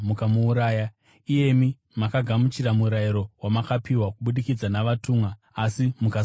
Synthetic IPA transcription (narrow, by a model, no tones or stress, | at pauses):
mukamuːɾaːja | ije̞mi | makaɡʱamut͡ʃiɾamuɾaiɾo̞wamakapiwakuɓuɗikid͡zanaʋatuːmwaː | simuka